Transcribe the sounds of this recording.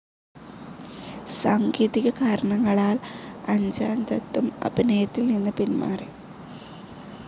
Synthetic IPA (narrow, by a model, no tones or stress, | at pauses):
saːŋɡiːðiɣɐkaːɾɐɳɐŋːɐɭaːlɐɲd͡ʑaːnt̪ɐt̪ːumɐ̰binɐjɐt̪ːilninːɨpinma̰ːre